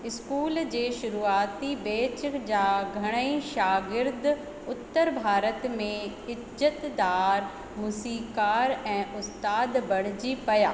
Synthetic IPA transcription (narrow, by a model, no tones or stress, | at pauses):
ɪskuːld͡ʑeːʃʊɾuːaːt̪ibeːt͡ɕd͡ʑaːɡʱɐɽ̃əĩʃaːɡɪɾd̪ | ʊt̪ːəɾbʱaːɾət̪mẽ | ɪ | zət̪d̪aːɾ | musiːkaːɾɛ̃ːʔʊst̪aːd̪bɐɽ̤ɪd͡ʑipɐjaː